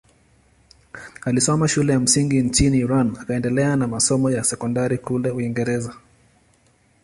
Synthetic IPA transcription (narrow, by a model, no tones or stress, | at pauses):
alisɔmaʃulɛjam̩siŋɡint͡ʃiniːɾanakaɛndɛlɛanamasɔmɔjasɛkɔndaɾikulɛuiŋɡɛɾɛza